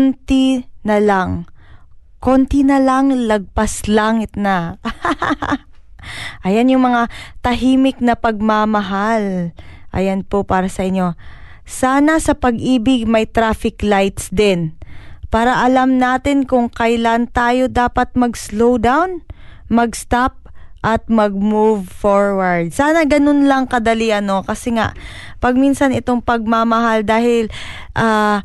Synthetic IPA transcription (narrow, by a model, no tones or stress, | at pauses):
nt̪inɐlaŋ | kont̪inɐlaŋlɐɡ̚paslaŋɪt̪na | ʔɐjanjʊŋmɐŋat̪ɐɦiːmɪk̚nɐpɐɡ̚mamɐɦalʔɐ̰janpopaːɾɐsɐʔɪɲːo̞ | saːnɐsɐpɐɡʔiːbɪɡ̚mɐjt̪ɾaːfɪklajt̪sd̪ɪnpaːɾɐʔɐlamnaːt̪ɪnkʊŋkɐjlant̪aːjo̞d̪aːpɐt̪̚mɐɡslowd̪awnmɐɡst̪ap̚ʔɐt̪̚mɐɡ̚muvfoɹwɐɹd̪̚saːnɐɡɐnonlɐŋkɐd̪ɐliʔɐno̞kɐsɛŋa̰ʔpɐɡ̚minsɐnɪt̪o̞ŋpɐɡ̚mamɐɦald̪aːhɪl | ʔaː